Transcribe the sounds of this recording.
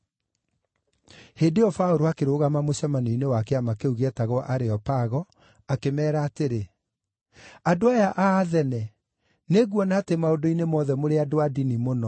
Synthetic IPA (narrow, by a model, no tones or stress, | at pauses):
heːdeɔfaoɾoakeɾoːɣamamoɕamaniinewakeamakeuɣɛtaɣwɔʔaɾeɔpaɣɔ | akemɛːɾaːteɾe | adoajaʔaːðɛnɛ | neɣwɔnaːtemaodoinemɔðɛmoɾeadoadinimonɔ